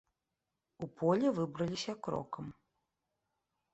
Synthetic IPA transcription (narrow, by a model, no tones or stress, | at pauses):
upʰɔlʲɛvɨbɾɐlʲisʲɐkɾɔ̰kɐm